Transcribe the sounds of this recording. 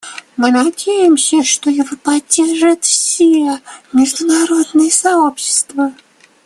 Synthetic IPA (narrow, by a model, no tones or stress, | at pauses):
mɨnɐdʲejɪmsʲəʂt̪o̞jɪvopɐdʲːerʐɨt̪fsʲimʲɪʐd̪ʊnaɾo̞d̪nɨjəsao̞pɕːɪ̥st̪və